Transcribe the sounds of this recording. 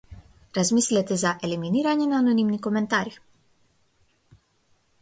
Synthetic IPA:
ɾazmislɛt̪ɛzaʔɛliminiɾaɲɛnaːnɔnimnikɔmɛnt̪aɾi

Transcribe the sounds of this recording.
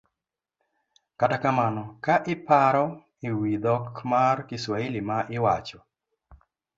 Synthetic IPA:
katakamanɔkaʔɪpaɾɔ | ɪwid̪ɔkmarkɪswailimaʔɪwat͡ʃɔ

